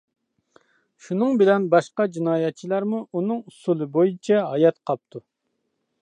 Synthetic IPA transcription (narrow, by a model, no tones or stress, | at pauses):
ʃunɨŋbɪlɛnbɑʃqɑd͡ʒinɑːjɛt̪̚t͡ʃʰilˠɑɾmuunɨŋusulˠɨbojit͡ʃʰɛɦɑjɛt̪qʰɑp̚t̪ʰu